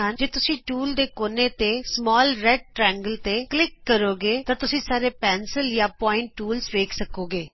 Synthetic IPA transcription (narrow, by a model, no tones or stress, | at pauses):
ɦənd͡ʒeːt̪ʊsĩːʈuːld̪eːkoːneːt̪eːsmɔːlɾɛɖ̚ʈɾɛ̃ːŋɡəlt̪eːklɪkːəɾoːɡeːt̪aːt̪ʊsĩːsaːɾeːpɛːnsəljaːpɔːɪɳʈːuːlsʋeːkʰsəkoːɡeː